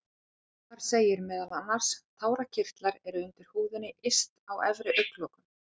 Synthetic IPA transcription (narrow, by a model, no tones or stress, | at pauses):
kaɾ̥seːjɪɾmɛːðalanːaɾ̥st̪ʰaːwɾacʰɪr̥t̪laɾɛɾʏʏnt̪ɪɾ̥huːðɪnɪʔɪst̪awɛvɾɪʔœɥkloːkʏm